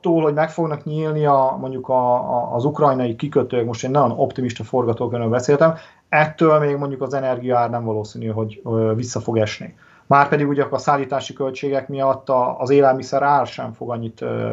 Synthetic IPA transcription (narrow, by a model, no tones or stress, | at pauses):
t̪ːoːlhɦo̞ɟmɛkfo̞ɡnɒkɲiːlniɒmo̞ɲɟukɒːzukrɒjnɒjikikøt̪øːɛkmo̞ʃt̪eːnːɒjono̞pt̪imiʃt̪ɒfo̞rɡɒt̪oːkønølbɛseːlt̪ɛm | ɛt̪ːøːlmeːɡmo̞ɲɟukɒzɛnɛrɡijɒaːrnɛɱvɒloːsiːnyɦo̞ɟvisːɒfo̞ɡɛʃnḛː | maːrpɛd̪iɡuɟɛkɒsaːlːiːt̪aːʃikø̞lt͡ʃeːɡɛkmijɒt̪ːɒːzeːlɛlmisɛɾaːlʃɛɱfo̞ɡɒɲːit̪ː